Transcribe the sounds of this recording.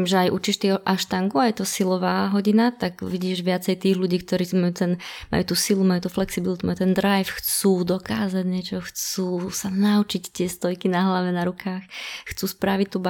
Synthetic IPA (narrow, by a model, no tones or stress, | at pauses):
mʒɛajʔut͡ʃiːʃt̪iɛʔaʃt̪aŋɡuajɛt̪ɔsilɔʋaːɦɔɟinat̪aɡʋiɟiːʒʋɪat͡sɛjt̪iːɣluɟiːk̚t̪ɔɾiːmajut̪ɛnma̰jut̪usilumajut̪uflɛksibilit̪umajuːt̪ɛnd̪ɾajfxt͡suːd̪ɔkaːzaɟɲɛt͡ʃɔxt͡suːsanaut͡ʃict̪ɪɛst̪ɔjkinaɦlaʋɛnaɾukaːxxt͡suːspɾaʋict̪ub